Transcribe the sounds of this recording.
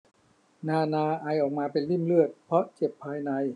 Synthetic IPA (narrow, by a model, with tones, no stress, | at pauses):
naː˧˩naː˧ʔaː˧jʔɔː˨˩k̚maː˧pe˧nli˥˩mlɯ˥˩ət̪̚pʰɾɔ˦˥t͡ɕe˨˩pʰːaː˧jna˧j